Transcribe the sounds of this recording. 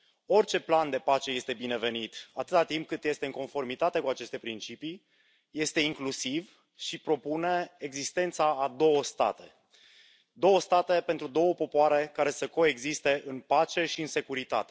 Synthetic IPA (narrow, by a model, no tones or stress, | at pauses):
o̞rʲt͡ʃe̞pland̪e̞pat͡ʃe̞je̞st̪e̞bine̞ve̞nit̪at̪ɨt̪at̪imp̚kɨt̪je̞st̪e̞ɨŋko̞nfo̞rmit̪at̪e̞kuat͡ʃe̞st̪e̞pɾint͡ʃipi | je̞st̪e̞iŋklusiv | ʃipɾo̞pune̞eɡzist̪e̞nt̪saːd̪o̞wəst̪a̰t̪e̞ | d̪o̞wəst̪at̪e̞pe̞nt̪ɾud̪o̞wəpo̞poaɾe̞kaɾe̞səko̞e̞ɡzist̪e̞ʔɨnpat͡ʃe̞ʃiɨnse̞kuɾit̪a̰t̪e